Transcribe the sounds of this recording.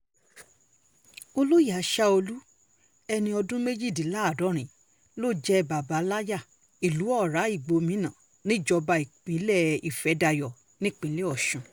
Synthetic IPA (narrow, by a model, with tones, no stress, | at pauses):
o˧lu˦ja˨˦ʃa˦o˧lu˦ | ɛ˧nĩ˧ɔ˧dũ˦me˦d͡ʒi˦˨di˨la˦˨dɔ˨˦ɾ̃ĩ˨ | lo˦˨d͡ʒɛ˦ba˨ba˨˦la˦ja˦˨ | i˨lu˨˦ɔ˦˨ɾa˨˦i˦˨ɡ͡bo˧mĩ˨˦nã˨ | nĩ˦˨d͡ʒɔ˧ba˧i˨k͡pĩ˨˦lɛ˦˨i˨fɛ˨˦da˧jɔ˨ | nĩ˦k͡pĩ˨˦le˦ɔ˦˨ʃũ˨